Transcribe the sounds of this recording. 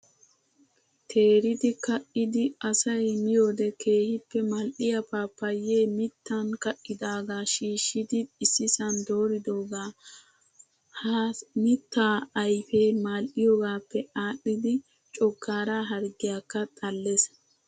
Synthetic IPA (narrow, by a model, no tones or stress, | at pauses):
t̪ʰe̞ːɾɪd̪ɪkɐʔɪd̪ɪɐsɐjmɪjoːd̪ɛkʰe̞ːhɪpːɛmalʔɪjɐpaːpːɐje̞ːmɪt̪ːankɐʔːɪd̪aːɡaːʃiːʃːɪd̪ɪːsːɪsɐnd̪oːɾɪd̪o̞ːɡaː | hmɪt̪ːaːɐjfe̞ːmaːlʔɪjoːɡaːpːɛaːɗːɪd̪ɪ | t͡ʃʼɔkːaːɾaːɦɐɾɡɪjaːkːɐt̪ʼɐlːes